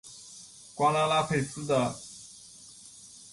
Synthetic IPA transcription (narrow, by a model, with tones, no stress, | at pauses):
kwa˥la˥la˥pʰe˨˩ɪsɹ̩˥d̪ə˨